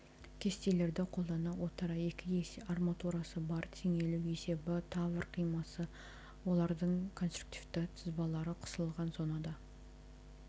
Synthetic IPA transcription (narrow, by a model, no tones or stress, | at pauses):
kʲʰe̞st̪e̞le̞ɾd̪ɪqʰo̞lˠd̪ɑnɑwo̞t̪əɾɑe̞kʲɪesarmat̪uɾasəbɑɾt̪ʰeŋe̞luwe̞se̞bɪt̪ʰɑvəɾqʰijmɑsə | wo̞lˠɑɾd̪əɴkʰo̞nst̪ɾru̥k̚t̪ivt̪ɪt̪ʰəzbɑlˠɑɾəqʰʊ̥səlˠʁɑnzo̞nɑd̪ɑ